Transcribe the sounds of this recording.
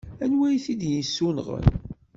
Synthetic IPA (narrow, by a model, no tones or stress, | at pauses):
ænwæjθid̪jisːunʁə̰n